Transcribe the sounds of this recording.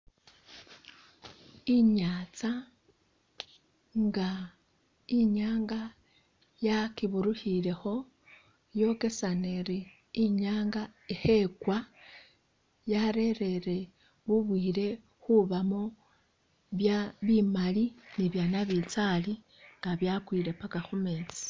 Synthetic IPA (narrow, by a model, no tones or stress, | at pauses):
iɲat͡sa | ŋɡa | iɲaːŋɡa | jakiβuɾuhile̞xo̞ | jo̞ke̞saneɾiː | ɲaːŋɡaixe̞kwa | jaɾe̞ɾe̞ɾe̞ | βuβwiːɾe̞ | xuβamo | βjaβimaliniβjanaβit͡sali | ŋɡaβjakwiɾe̞pakaxume̞ːt͡si̥